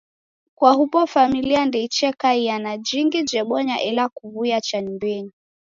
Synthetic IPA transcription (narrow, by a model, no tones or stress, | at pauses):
kwahupɔfamiliandɛit͡ʃɛkaijanad͡ʒiŋɡid͡ʒɛɓɔɲaʔɛlakuβuijat͡ʃaɲimbɛɲi